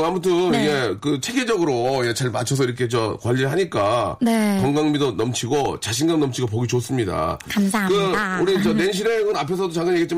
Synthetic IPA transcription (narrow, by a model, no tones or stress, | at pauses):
amutʰɯnjekɯt͡ɕʰe̞ɡed͡ʑʌɡɯɾojet͡ɕaɭmat͡ɕʰʌs̬ʰʌiɾʌkʰe̞t͡ɕʌkwaʎːiɾɯɭɦaɲik͈anekʌŋɡaŋmidonʌmt͡ɕʰiɡot͡ɕaɕ̬ʰinɡannʌmt͡ɕʰiɡap̬oɡit͡ɕos͈ɯmɲida̰kaakɯuɾit͡ɕʌnenɕ̬ʰiɾeɡɯnapʰe̞s̬ʰʌdot͡ɕaŋɡɯɲjeɡit͡ɕ͈i